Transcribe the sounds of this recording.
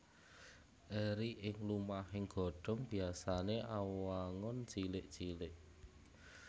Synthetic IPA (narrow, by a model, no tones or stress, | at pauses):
ʔeɾiʔɪŋlumahɪŋɡ̥ɔ̤ɖ̥ɔ̤mb̥i̤asaneʔawwaŋɔnt͡ʃilɪʔt͡ʃilɪʔ